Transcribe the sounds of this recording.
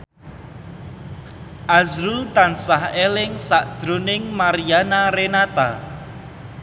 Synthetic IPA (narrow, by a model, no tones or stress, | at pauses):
ʔazɾut̪ansahelɪŋsaʔd̥ʒ̥ɾonɪŋmaɾijanaɾenat̪a̰